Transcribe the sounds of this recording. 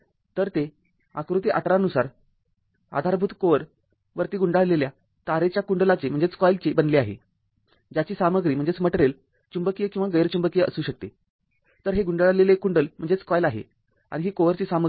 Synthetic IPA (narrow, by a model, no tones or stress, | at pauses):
t̪əɾt̪e | akɾut̪iʔaʈɾanusaɾ | a̰d̪ʱaɾbʱuːt̪koʋəɾ | ʋəɾt̪iːɡuɳɖaɭlelja | t̪aɾet͡ɕjakuɳɖəlat͡sem̤əɳd͡zet͡skɔjlt͡ɕebənleaɦḛ | d͡ʑjat͡ɕiːsaməɡɾiːm̤əɳd͡zet͡sməʈɾel | t͡ɕumbəkijəkĩw̃ʋaɡəjɾt͡ɕumbəkijəʔə̰suːɕək̚t̪e | t̪əɾɦeɡuɳɖəɭlelekːuɳɖəlm̤əɳd͡zet͡skɔjlaɦḛ | a̰ɽ̃iɦiːkoʋəɾt͡ɕiːsamə